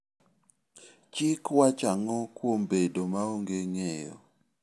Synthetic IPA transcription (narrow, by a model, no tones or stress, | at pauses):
t͡ʃikwat͡ʃaŋɔkwombedomaoŋɡeŋɛjɔ̰